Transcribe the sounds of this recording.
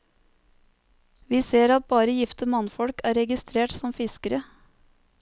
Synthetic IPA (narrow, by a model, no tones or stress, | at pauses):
ʋiːseːɾɑt̪̚bɑːɾəjɪft̪əmɑnfɔɽkæːɾɛɡɪst̪ɾeːʈsɔmfɪskəɾə